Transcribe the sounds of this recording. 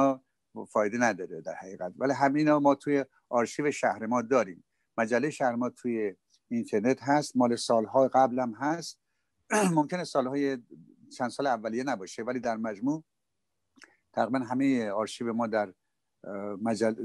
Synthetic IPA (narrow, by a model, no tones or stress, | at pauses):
fɒːjed̪enæd̪ɒːɾed̪æɾhæɣiːɣæt̪væliɦæminɒːmɒːt̪ʰuːje | ʔɒːɾʃiːveʃæhɾemɒːd̪ɒːɾiːmː | mæd͡ʒælːejeʃæhɾemɒːt̪ʰuːje | int̪ʰeɾne̞t̪ɦæst̪mɒːlesɒːlɦɒːɡæblæmɦæst̪ | momcʰenesɒːlhɒːje | t͡ʃʰænd̪sɒːleævːælijenæbɒːʃevæliːd̪æɾmæd͡ʒmuː | t̪ʰæɣɾibænɦæmejeɒːɾʃiːvemɒːd̪æɾ | mæd͡ʒæl